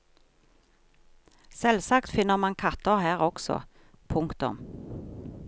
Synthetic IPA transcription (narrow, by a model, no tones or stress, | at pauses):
sɛlsɑkt̪fɪnəʁmɑnkʰɑt̪əʁhæːʁɔɡ̥sɔ̰ | pʰʊŋkt̪ʊ̰m